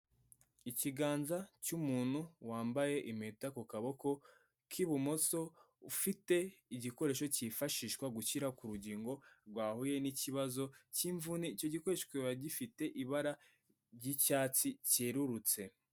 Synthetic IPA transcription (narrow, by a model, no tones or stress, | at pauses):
iciɡaːnzacumuːn̥huwaːmbaje̞ʔimetakokaβo̞ko̞ | kʰiβumoso̞ | ufite̞iɟiko̞ɾe̞ʃo̞cifaʃiːʃwaɡuciɾakuɾuɟiːŋɡo̞ɾɡwaːhuje̞niciβazo̞ciːɱvuniːco̞ɟiko̞ɾeʃkweβaɟifite̞ʔiβaɾa | ɟicaːt͡siceːɾuɾut͡se̞